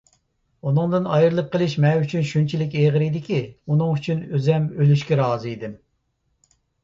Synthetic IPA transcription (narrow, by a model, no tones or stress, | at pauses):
unɨŋd̪ɨnɑjɨɾlˠɨp̚qʰəlˠɨʃmɛyt͡ʃʰynʃunt͡ʃʰilɪkʲeʁəɾid̪ɪkʲiunɨŋyt͡ʃʰynøzɛmølyʃkʲɛɾɑːzɨid̪ɪm